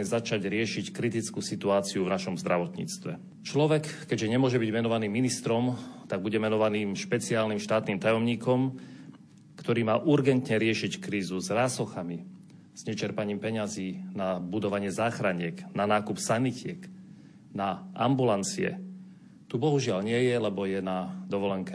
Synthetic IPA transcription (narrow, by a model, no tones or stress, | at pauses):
ɛzat͡ʃaɟɾɪɛʃickɾit̪it͡skuːsit̪uaːt͡siuvnaʃɔmzd̪ɾaʋɔt̪ɲḭːt͡st̪ʋɛ | t͡ʃlɔʋɛkːɛɟʒɛɲɛmʊɔʒɛbiɟmɛnɔʋaniːmːinist̪ɾɔmt̪aɡ̚buɟɛmɛnɔʋaniːmʃpɛt͡siaːlnimʃt̪aːt̪niːmt̪ajɔmɲiːkɔm | kt̪ɔɾiːmaːʔuɾɡɛnt̪ɲɛɾɪɛʃickɾiːzuzɾaːsɔxami | z̥ɲɛt͡ʃɛɾpaɲiːmpɛɲaziːnabud̪ɔʋaɲɪɛzaːxɾaɲɪɛknanaːkupsanicɪɛk | naʔambulant͡siɛ̰ | t̪ubɔɦuʒɪalɲɪɛjɛlɛbɔjɛnad̪ɔʋɔlɛŋkɛ